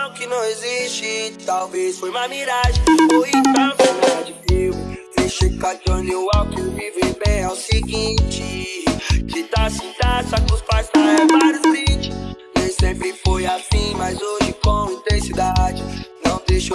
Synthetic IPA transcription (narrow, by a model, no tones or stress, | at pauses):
ɐ̃wkɪnɐ̃w̃ezist͡ʃɪt̪awvesfojumamiɾaʒẽoĩt̪ãkũad͡ʒipevʊ | ẽʃikad̪õniʊawkevivebẽj̃ɛsiɡĩt͡ʃɪ | ʒit̪asĩt̪asak̪ʊspajst̪aẽvaɾjʊzvĩt͡ʃinẽj̃sẽmpɾɪfojafĩmajzoʒɪkõĩt̪ẽsid̪ad͡ʒɪnɐ̃w̃d̪eʃo